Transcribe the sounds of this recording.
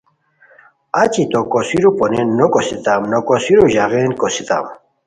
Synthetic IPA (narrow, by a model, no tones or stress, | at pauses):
at͡ɕit̪okosiɾuponenːokosit̪amnokosiɾuʑaɣenkosit̪a̰m